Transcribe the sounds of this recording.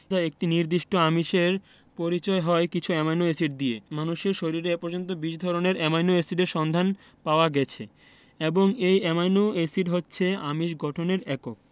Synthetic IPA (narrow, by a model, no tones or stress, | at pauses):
d͡ʑaek̚ʈiniɾd̪iʃʈoamiʃeɾ | poɾit͡ɕɔeɦɔekit͡ɕʰuɛmajnoesiɖ̚d̪iemanuʃeɾʃoɾiɾeepoɾd͡ʑont̪̬obiʃd̪ʱɔɾoneɾɛmajnoesiɖeɾʃɔnd̪ʱan | paoaɡɛt͡ɕʰe | eboŋejɛmajnoesiɾɦotːɕʰeamiʃɡɔʈʰoneɾɛkok̚